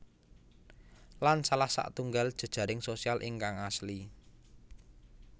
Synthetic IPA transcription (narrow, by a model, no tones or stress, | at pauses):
lansalahsa̰ʔt̪uŋɡald̥ʒ̥ə̤d̥ʒ̥a̤ɾɪŋsosialʔɪŋkaŋasli